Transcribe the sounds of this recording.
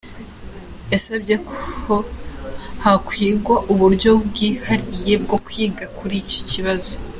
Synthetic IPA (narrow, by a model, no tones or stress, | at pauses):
jasabɟe̞ko | hakwiːɡwaʔuβuɾɟo̞bɡiːhaɾije̞b̚ɡo̞kwiːɡakuɾico̞̥ciβazo